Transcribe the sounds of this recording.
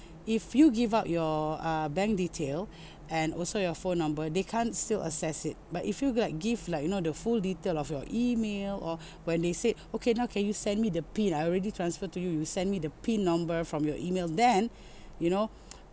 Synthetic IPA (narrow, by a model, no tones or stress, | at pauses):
ifjuɡivaʊt̚jɔʌbɛ̃ŋk̚ditʰel | ʔɛ̃nɔ̰lsojɔfõnːãmbədekʰãnstilʔə̰sɛsɪt̚batifjulak̚ɡivlaɪkjunodəfulditelɔfjɔʔimelɔ | wɛ̃ndeseokʰenaʊkʰɛ̃njusɛ̃nmidəpĩnajɔɹɛditɹãnsfətujujusɛ̃nmidəpĩnːãmbəfɹɔ̃mjɔʔimeldɛ̃n | juno